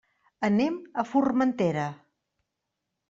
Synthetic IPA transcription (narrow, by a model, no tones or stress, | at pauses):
əneməfurmənt̪eɾə